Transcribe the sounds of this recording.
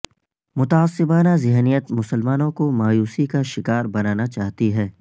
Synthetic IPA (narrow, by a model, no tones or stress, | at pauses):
mʊt̪aːsːɪbaːnazɪɦnijət̪mʊsəlmaːnõkomaːjuːsikaʃɪkaːɾbɐnaːnat͡ʃaːɦt̪iɦɛː